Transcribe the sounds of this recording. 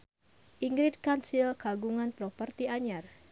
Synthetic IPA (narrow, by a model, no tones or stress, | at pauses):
ʔiŋɡɾɪt̪̚kansilkaɡuŋanpɾopərt̪iaɲar